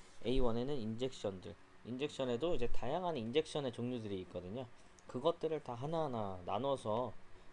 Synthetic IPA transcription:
e̞iwʌne̞nɯnind͡ʑe̞k̚ɕ͈ʌndɯɭ | ind͡ʑe̞k̚ɕ͈ʰʌne̞doid͡ʑe̞tajaŋɦannind͡ʑe̞k̚ɕ͈ʰʌne̞t͡ɕoŋɲudɯɾiːt̚k͈ʌdɯɲo | kɯɡʌt̚t͈ɯɾɯɭtaɦananananʌsʰʌ

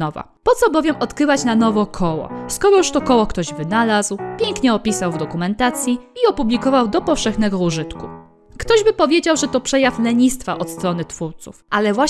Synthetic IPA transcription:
ɔva̰ | pɔt̪sɔbɔvʲjɛmʔɔt̪kɾɘvat͡ɕnanɔvɔkʰɔwɔ̰skɔɾɔjuʂt̪ɔkɔwɔkt̪ɔʑvɘnalazwpʲjeŋkɲɛɔpʲisawvd̪ɔkumɛnt̪at̪sʲjiːɔpublʲikɔvawd̪ɔpɔfʂɛxnɛɡɔuʐɘt̪ku | kt̪ɔʑbɘpɔvʲjed͡ʑawʐɛt̪ɔpʂɛjaflɛɲist̪faʔɔt̪st̪ɾɔnɘt̪fuɾt̪sufʔalɛvwa

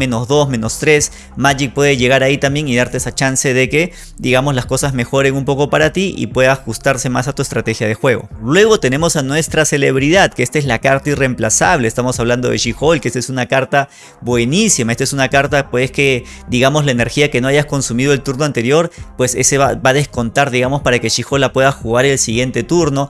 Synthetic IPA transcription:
ẽ̞no̞zðo̞zmẽ̞no̞st̪ɾe̞s | maʝik̚pwe̞ðeʝe̞ɣ̞aɾait̪ambje̞ŋiðaɾt̪eesat͡ʃanse̞ðeke̞ | d̪iɣamozlasko̞sazme̞xo̞ɾe̞ŋumpo̞ko̞paɾat̪iʔḭpwe̞ðaxust̪aɾse̞ma̰sat̪ue̞st̪ɾat̪e̞xjaðe̞xwe̞ɣo̞̰lwe̞ɣo̞t̪e̞ne̞mo̞sanwe̞st̪ɾase̞le̞βɾiðaðkeest̪aezlakaɾt̪aire̞mplasaβleːst̪amosaβland̪o̞ðeʃixo̞lkeest̪sunakaɾt̪a | bwe̞nisimaest̪aesunakaɾt̪apeeske̞d̪iɣamo̞zlaene̞ɾxiakeno̞aʝasko̞nsumiðo̞e̞lt̪uɾno̞ant̪eɾjo̞ɾpwe̞sḛseβabaðe̞sko̞nt̪aɾðiɣamo̞spaɾakeʃixo̞lapwe̞ðaxuɣaɾelsiɣje̞nt̪e̞t̪uɾno̞

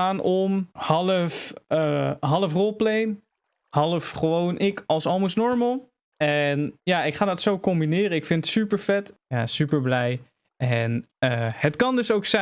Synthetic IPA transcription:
aːnɔmhɑləfəɦɑlˠəfrolˠplejn | hɑlˠəfχəʋownʔɪkɑlˠsɑlˠməsnɔɹməlˠ | ɛnjaːɪkχaːdɑtsowkɔmbinɪːrəɪkfɪnətsypəɹfɛtjasypəɹblɛj | ɛn | əhətkɑndøsowksɛ

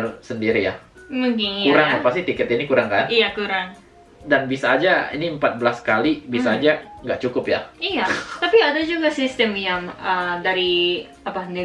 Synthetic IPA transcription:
ɾsəndiɾija̰muŋkɪŋkuɾaŋapast̪it̪ikɛt̪inikuɾaŋkanijakuɾaŋ | danbisaːd͡ʒaḭniəmpat̪̚bəlaskalibisaːd͡ʒaŋɡaʔt͡ʃukʊpjaijat̪apiadad͡ʒuɡasist̪əmjaŋədaɾi | apada

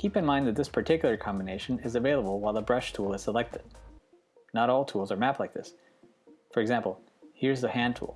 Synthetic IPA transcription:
kʰipɨ̃nmãɪ̃nðɨt̪̚ðɪspʰə˞tʰɪkjl̩ˠə˞kʰɑ̃mbəneɪʃɨ̃nɪzɨveɪlˠəbl̩ˠwaɪlˠəbɹʌʃtʰulˠɨz̥səlɛk̚tʰɨd̥̚ | nəɾɔlˠtʰulˠzə˞mæplaɪk̚ðɪs | fə˞ɨɡzæ̃mpl̩ˠ | hiɹzðɨhæ̃ntʰṵlˠ

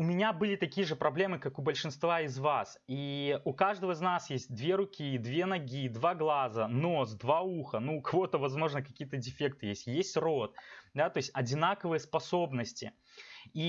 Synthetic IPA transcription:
ʊmʲɪnʲabɨlʲɪt̪ɐkʲijəʐɨpɾɐblʲe̞mɨkakʊbəlʲʂɨnst̪vaɪzvasiʊkaʐd̪əvəɪznasjesʲt̚ʲd̪vʲeɾʊkʲid̪vʲe̞nɐɡʲid̪vaɡlˠazəno̞s̬d̪vauxənuːkɐvo̞t̪əvɐzmo̞ʐnəkɐkʲijət̪ədʲɪfʲek̚t̪ɨjesʲtʲjesʲtʲro̞t̪̚d̪at̪o̞jɪsʲtʲɐdʲɪnakəvɨjəspɐso̞bnəsʲtʲɪ̰ | i

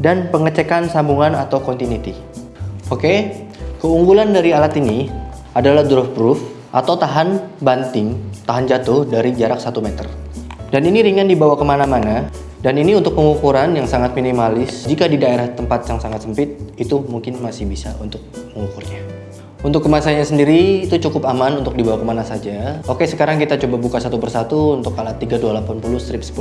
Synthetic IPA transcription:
danpəŋət͡ʃekansambuŋanat̪awkɔnt̪init̪i | okekəuŋɡulandaɾialat̪ini | adalahdɾɔfbɾuf | ʔat̪awt̪aɦanbant̪ɪŋt̪aɦand͡ʒat̪ʊhdaɾid͡ʒaɾak̚sat̪umɛt̪ə̰rdaniniɾiŋandibawakəmanamana | daniniunt̪ʊk̚pəŋukuɾanjaŋsaŋat̪̚minimalɪsd͡ʒikadidaeɾaht̪əmpat̪̚jaŋsaŋat̪səmpɪt̪̚it̪umuŋkɪnmasɪhbisaʔunt̪ʊk̚məŋukʊrɲa | unt̪ʊkːəmasaɲasəndiɾiːt̪ut͡ʃukʊpamanunt̪ʊk̚dibawakəmanasad͡ʒaokesəkaɾaŋkit̪at͡ʃobabukasat̪upərsat̪uːnt̪ʊk̚ːalat̪ːiɡadualapanpulʊhst̪ɾɪp̚sə̥pul

